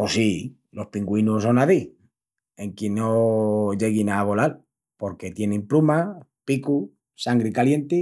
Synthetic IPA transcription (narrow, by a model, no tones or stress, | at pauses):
osi | lo̞spiŋɡwinuso̞naði | e̞ŋkjenːoʝe̞ɣinaβ̞o̞lal | po̞ɾke̞t̪je̞nempluma | piku | saŋɡɾeikalje̞nt̪i